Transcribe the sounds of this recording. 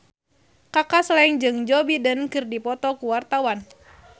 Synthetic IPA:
kakaslaiŋd͡ʒɨŋd͡ʒɔbidənkɨrdipɔt̪ɔkuwart̪awan

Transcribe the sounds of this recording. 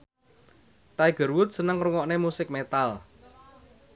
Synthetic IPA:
t̪ajɡ̥ə̤ɾwʊt̪̚sənəŋruŋɔʔnemusɪk̚met̪al

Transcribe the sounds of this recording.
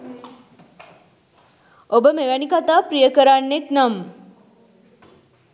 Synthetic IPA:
obəmeʋænikat̪aːpɾijəkəɾanːeknam

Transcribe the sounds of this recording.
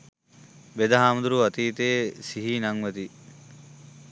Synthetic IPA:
bed̪ɐɦaːmud̪uɾuʋɐt̪iːt̪eːsiɦiːnɐŋʋɐd̪i

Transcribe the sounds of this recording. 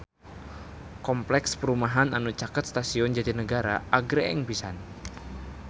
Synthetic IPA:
kɔmplɛkspəɾumaɦananut͡ʃakət̪st̪asiɔnd͡ʒadinəɡaɾa̰ʔaɡɾeɪŋbisa̰n

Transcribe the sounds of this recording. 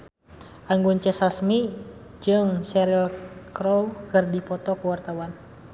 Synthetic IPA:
ʔaŋɡunt͡ʃɛsasmi | d͡ʒɨŋsɛɾlkɾɔlkɨrdipɔt̪ɔkuwart̪awan

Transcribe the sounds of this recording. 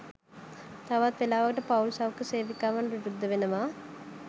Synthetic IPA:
t̪ɐʋat̪ʋelaːʋɐɡɐʈɐpɐwlsaːʋɐkːəseːʋikːaːʋaɳʋiɾud̪ʱːɐʋenɐʋaː

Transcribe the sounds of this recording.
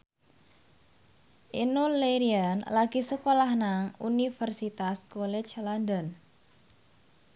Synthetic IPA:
ʔinuleɾianlaɡ̥isəkolahnaŋunifərsit̪askɔlɛ̥t͡ʃland̪ən

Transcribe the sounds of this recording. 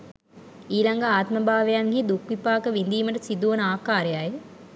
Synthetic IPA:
iːlaŋɡaaːt̪məbʱaːʋejaŋɡiːd̪ukʋipaːkəʋind̪iːməʈɐsid̪uʋɐnaːkaːɾejaje

